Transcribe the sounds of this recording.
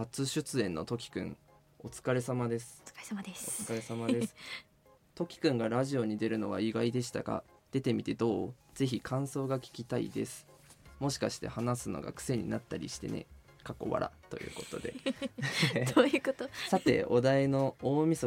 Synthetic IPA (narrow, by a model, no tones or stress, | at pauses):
at͡sɨɕɨt͡sɨẽ̞nːo̞t̪o̞kʲi̥kɯ̟̰̃ɴ | o̞t͡sɨ̥kaɾe̞samad̪e̞sɨ̥ot͡sɨ̥kaɾe̞samad̪e̞sɨ̥ | t̪o̞kʲi̥kɯ̟̃ŋɡaɾaʑio̞ɲ̟id̪e̞ɾɯ̟no̞βaiɡaid̪e̞ɕ̬i̥t̪aka̰d̪̥e̞t̪e̞mʲit̪e̞d̪o̞ːz̥e̞çikʰãɰ̃so̞ːɡakʲi̥kʲit̪aḭd̪e̞sɨ̥ | mo̞ɕi̥kaɕi̥t̪e̞hanasɨno̞̰ɡa̰kɯ̥se̞ɲ̟ḭnat̪ːaɾʲḭɕi̥t̪e̞̰nḛ | kako̞̰βa̰ɾa̰t̪o̞̰jɯ̟̰ːko̞t̪o̞̰d̪e̞̰ | ojɯot̪osat̪e̞̰od̪aeno̞oːmʲiso